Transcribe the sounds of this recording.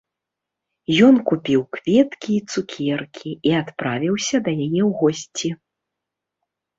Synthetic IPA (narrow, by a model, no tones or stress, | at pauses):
jɔnkupʲiwkvʲɛt̪kʲiːt̪sukʲʰɛrkʲʰiiat̪pɾavʲiwsʲɐd̪ɐjajɛwɣɔsʲt͡sʲi